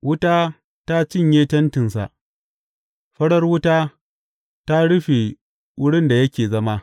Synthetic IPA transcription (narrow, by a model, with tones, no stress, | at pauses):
wʊ˦taː˦ | ta˦t͡ʃɪ˦˨ɲjeː˦tɐ˦ntɪ˨nsa̰˨ʔ | ɸɐ˦ɽɐ˦rwʊ˦taː˦ | ta˦ɽʊ˦ɸe˨ | wʊ˦ɽɪ˦nda˨jɐ˦kʲeː˨zɐ˦ma˦